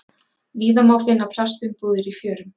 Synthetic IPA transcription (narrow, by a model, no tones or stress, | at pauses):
viːðamawfɪnːapʰl̥ast̪ʏmpuːðɪɾifjœːɾʏm